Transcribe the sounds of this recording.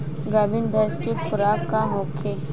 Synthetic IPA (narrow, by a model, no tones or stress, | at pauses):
ɡaːbɪnbʱɛːskekʰʊɾaːk̚kaɦokʰe